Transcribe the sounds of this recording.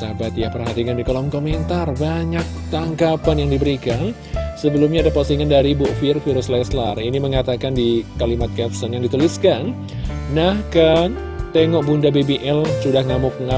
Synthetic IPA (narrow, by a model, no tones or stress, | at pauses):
sabat̪japərɦat̪ikandikolɔmkoment̪arbaɲak̚t̪aŋɡapanjaŋdibəɾikan | səbəlumɲaːdapasiŋandaɾibuʔfirfiɾʊslɛsla̰riniməŋat̪akandikalimat̪̚kɛp̚sɔnjaŋdit̪uliskanː | ahkə | t̪eŋɔʔ̚bundabebeʔɛlsudahŋamʊk̚ŋa